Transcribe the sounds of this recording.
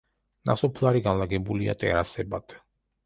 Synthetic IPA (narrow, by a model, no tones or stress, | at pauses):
nasɔpʰlˠaɾiɡanlˠaɡɛbulia̰t̪ʼɛ̰ɾasɛbat̪ʰ